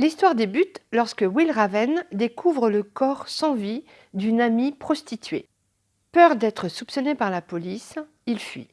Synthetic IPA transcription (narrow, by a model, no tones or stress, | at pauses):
list̪waʁd̪ebyt̪lɔʁskəwilʁavɛnd̪ekʰuvʁələkɔʁsɑ̃vi | d̪ynamipχɔst̪it̪ɥḛ | pœʁd̪ɛt̪χəsupsɔnepaʁlapɔlis | ilfɥḭ